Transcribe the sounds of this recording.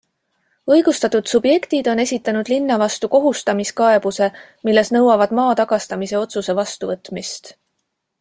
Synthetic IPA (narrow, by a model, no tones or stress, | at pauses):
ɤjɡ̥ust̪ɑt̪ːˑud̪̥sub̥je̞kt̪id̪o̞ne̞sʲit̪ˑːɑnud̪̥linːɑvɑst̪uko̞ɦust̪ɑmiskɑe̞b̥use̞ | milːe̞snɤwɑvɑd̪̥mɑːt̪ɑɡ̥ɑst̪ɑmise̞o̞t̪suse̞vɑst̪uvɤt̪ːˑmist̪